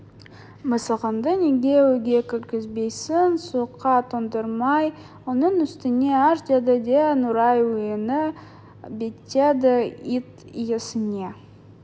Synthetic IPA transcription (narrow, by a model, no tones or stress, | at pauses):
məsəʁənd̪əneɡʲewɵɡʲe̞kʲʰɪɾɡʲɪzbe̞jsɪnsuəqʰːɑt̪ʰond̪əɾmɑj | wonəɴʏst̪ɪne̞æɾt̪ʲad̪əd̪enʊɾɑjwɵjɪnɪ | bet̪ːed̪ɪit̪ | jesɪne̞